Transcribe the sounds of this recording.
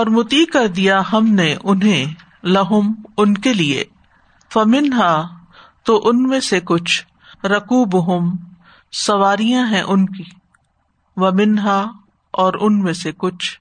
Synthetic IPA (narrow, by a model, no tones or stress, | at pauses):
ɔːɾmʊt̪ikɐɾd̪ijaɦɐmneʔʊnɦẽ | lɐɦʊmʊnkeliḛ | fɐmɪnɦa | t̪oʔʊnmẽsekʊt͡ʃʰ | ɾɐkuːbʊɦʊm | sɐʋaːɾijãɦɛ̃ʔʊnkiː | ʋɐmɪnɦa | ɔːɾʊnmẽsekʊt͡ʃʰ